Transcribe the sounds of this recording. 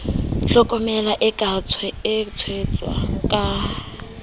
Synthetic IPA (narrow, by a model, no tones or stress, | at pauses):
t͡ɬɔkʼɔmɛlaʔɪkʼat͡sʰwɛɪt͡sʰwet͡sʼwa̰kʼa